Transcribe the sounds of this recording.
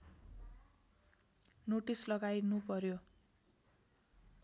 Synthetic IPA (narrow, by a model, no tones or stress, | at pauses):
noʈislʌɡajnupʌɾjo